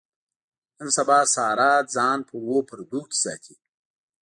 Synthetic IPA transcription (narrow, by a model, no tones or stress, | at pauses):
ənsɐbɑːsaːɾɑːt̪̚d͡zɑːnpʰəwopʰəɾd̪uːki̥sa̰ːt̪ʰi